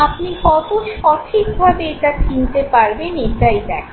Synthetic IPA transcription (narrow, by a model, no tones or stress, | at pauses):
apnikɔt̪oʃɔʈʰikbʱabeeʈakint̪epaɾbeneʈ̪ajd̪ɛ̰kʰ